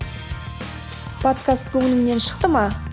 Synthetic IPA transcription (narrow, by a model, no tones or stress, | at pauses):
pʰot̪kast̪̚kʲʰɵŋɪnɪŋne̞nʃə̥qt̪əmɑ